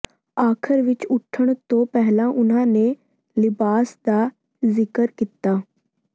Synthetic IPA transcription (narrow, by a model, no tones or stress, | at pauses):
aːkʰəɾʋɪt͡ʃʊʈʰːəɳ̃t̪õːpɛɦlãːʔʊnãːneː | lɪbaːsd̪aː | zɪkəɾkiːt̪aː